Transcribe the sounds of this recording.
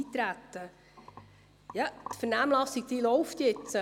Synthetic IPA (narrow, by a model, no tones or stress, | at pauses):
iːt̪ɾæt̪ːə | jɑt̪fəɾnæmlɑsiɡ̚d̥ilɔʊft̪jɪt͡s